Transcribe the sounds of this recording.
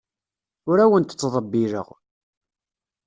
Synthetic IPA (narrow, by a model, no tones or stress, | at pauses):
ʊɾæwənt̪ə̥t͡sːðˤəbːiɾə̰ʁ